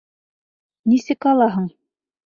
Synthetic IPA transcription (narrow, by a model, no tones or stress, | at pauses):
nisɘkɑlˠɑɦɤɴ